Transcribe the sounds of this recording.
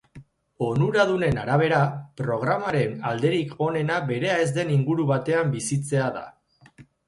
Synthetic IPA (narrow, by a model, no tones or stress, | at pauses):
o̞nuɾað̞une̞naɾaβ̞e̞ɾapɾo̞ɣ̞ɾamaɾe̞nald̪e̞ɾikʰo̞ne̞naβe̞ɾe̞ae̞zd̪e̞niŋɡuɾuβat̪e̞ambisit͡se̞aða̰